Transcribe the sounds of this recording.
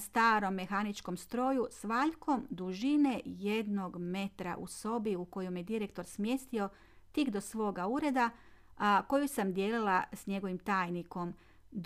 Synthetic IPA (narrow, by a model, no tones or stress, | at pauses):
st̪aːɾo̞mːe̞xanit͡ʃko̞mst̪ɾo̞ːjusʋaːʎko̞md̪uʒine̞je̞d̪no̞ɡme̞t̪ɾa̰ʔṵso̞biuko̞jomjed̪iɾe̞k̚t̪o̞ɾsmje̞st̪io̞ | t̪ikd̪o̞sʋo̞ːɡauɾe̞d̪a | ko̞jusamd̪je̞ːlilˠasɲe̞ɡo̞ʋimt̪aːjniko̞m | d̪